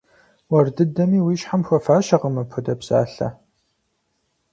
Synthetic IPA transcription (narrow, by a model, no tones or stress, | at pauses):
wɐrdɨdɐmiːwiːɕħamxʷɐfaːʃɐqəmɐpʷʰɔdɐbsa̰ːɬɐ̰